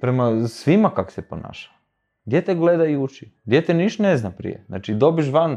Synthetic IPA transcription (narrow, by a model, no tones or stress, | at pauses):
pɾemasʋimakako̥sepona̰ːʃḁ | d̪jet̪eɡled̪ajut͡ʃid̪jet̪eniʃt̪neznapɾḭjḛna̰t͡ʃid̪o̞biʃ̬ʋan